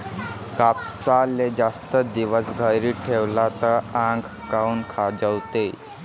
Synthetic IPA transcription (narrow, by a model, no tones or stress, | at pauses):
kapsaled͡zast̪əd̪iʋəsɡʱəjɾiːʈʰeʋlat̪əãŋɡ | kaunkʰad͡zəwt̪e